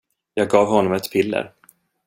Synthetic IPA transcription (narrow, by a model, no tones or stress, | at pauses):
jɑːɡ̚ɡɑːvhɔnːɔmɛt̪pʰɪlːə̰ɾ